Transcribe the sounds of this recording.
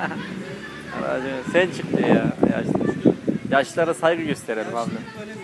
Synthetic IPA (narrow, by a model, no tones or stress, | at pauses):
a̰m̰a̰d̪esænt͡ʃʰɯkd̪ɯjaːja̰ʃ | jaʃlˠaɾasajɡɯɟøst̪ʰe̞ɾelʲimabd̪ɪ